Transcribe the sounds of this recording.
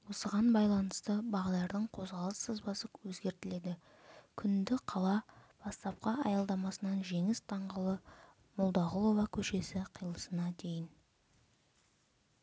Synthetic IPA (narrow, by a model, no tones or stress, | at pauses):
wo̞səʁɑnbɑjlˠɑnəst̪əbɑʁɑd̪ˠɑɾd̪əɴqʰo̞zʁɑlˠəsːəzbɑsəwɵzɡʲe̞ɾt̪ɪle̞d̪ɪ | kʲʰʏnd̪ɪqʰɑlˠɑb̥ɑst̪ɑp̚qɑʔɑjɑlˠd̪ɑmɑsənɑnʒe̞ŋɪst̪ʰɑɴʁəlˠə | mʊlˠd̪ɑʁʊlˠo̞vɑkʲʰɵʃe̞sɪqʰijlˠəsənɑd̪ʰe̞jɪn